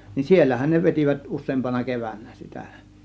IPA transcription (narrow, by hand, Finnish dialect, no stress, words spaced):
ni sielːæhæn ne ʋetiʋæt usˑeːmpɑnɑ keʋænːæ sitæ